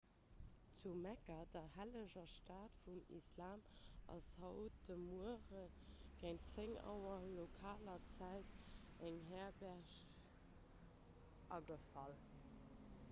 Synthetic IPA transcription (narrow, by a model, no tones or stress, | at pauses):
t͡sumækɐdɐhæləʑɐʃtaːtfumḭslaːm | ʔɑ̰shɑʊd̥əmuəʁən | ɡ̥eŋt͡seŋɑ̰ʊɐlokʰaːlɐt͡sæɪt | æŋɦɛːɐbæːɐʃ | ʔɑɡəfɑlə